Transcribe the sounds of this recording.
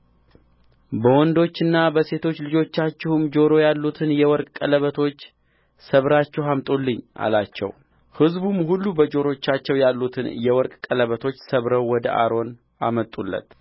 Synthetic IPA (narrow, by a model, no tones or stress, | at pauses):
bəwɔnd̪o̞t͡ʃːɨnːabəse̞t̪ʰo̞t͡ʃːlɨd͡ʒo̞t͡ʃːat͡ʃːɪhumd͡ʒo̞ɾo̞jalːut̪ʰɨnjɛwɔɾkʼkʼələβət̪ʰo̞t͡ʃː | səβɾat͡ʃːɛwamt̪ʼulːɨɲːʔa̰lat͡ʃːɛ̰w | hɨzbumhulːubəd͡ʒo̞ɾo̞t͡ʃːat͡ʃːɛwjalːut̪ʰɨnjɛwɔɾkʼkʼələβət̪ʰo̞t͡ʃːsəβɾəwwɔd̪əʔa̰ɾo̞n | a̰mət̪ʼːulːə̰t̪